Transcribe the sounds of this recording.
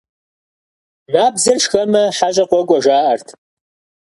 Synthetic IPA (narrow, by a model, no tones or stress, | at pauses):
naːbzɨrʂxɐmɐħaɕʼɐqʷɔɡʷʼɔʒaːʔɐrtʰ